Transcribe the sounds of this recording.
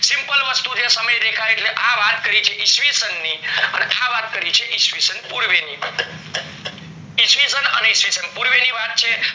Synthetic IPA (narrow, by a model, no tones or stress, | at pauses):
simpəlʋəst̪ud͡ʒesəməjd̪ekʰait̪ʰleʔabat̪kəɾit͡ʃʰeʔisʋisənːiə̰neʔabat̪̚kəɾit͡ʃʰeʔisʋisənpuɾʋeni | isʋisənə̰neisʋisənpuɾʋenibat̪̚t͡ʃʰe